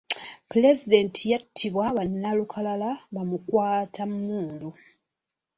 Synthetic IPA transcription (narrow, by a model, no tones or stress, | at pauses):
pulezide̞ntʰijatʰːiβwaβanːalukʰalalaβamukwaːtʰamːuːlu